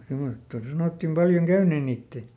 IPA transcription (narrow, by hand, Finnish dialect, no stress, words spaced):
semostɑ sɑnotːim pɑljoŋ kæyneːn̆ niːtːeˑ